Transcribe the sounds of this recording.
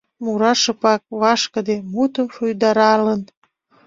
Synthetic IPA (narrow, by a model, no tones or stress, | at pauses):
muɾɑʃəpɑk̚βɑʃkəd̪emut̪əmʃujd̪ɑɾɑlən